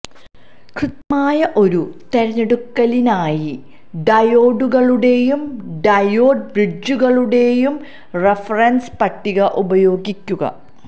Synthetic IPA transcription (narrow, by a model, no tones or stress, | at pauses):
krɨt̪ɐmaːjɐʔo̞ɾut̪e̞ɾɐɲːeɽukːɐlinaːji | ɖɐjo̞ːɖuɣɐɭuɽe̞jumɖɐjo̞ːɖ̚brid͡ʑuɣɐɭuɽe̞jum | refɐrɐnspɐʈːiɣɐʔubɐjo̞ːɡikʲːuɣɐ̰